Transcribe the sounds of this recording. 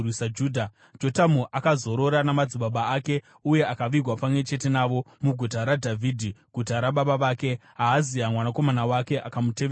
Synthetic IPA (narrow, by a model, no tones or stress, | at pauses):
wisad͡ʒuːdʱa | d͡ʒo̞tamuʔakazo̞ɾo̞ɾanamad͡ziɓaɓaːke̞ | uje̞akaʋiɡʱwapamwe̞t͡ʃe̞te̞naʋo̞muɡʱut̬aɾadʱavʱiːdʱiɡ̥ʱutaɾaɓaɓaʋaːke̞ɦaːziamwanako̞manawake̞ʔakamuteʋe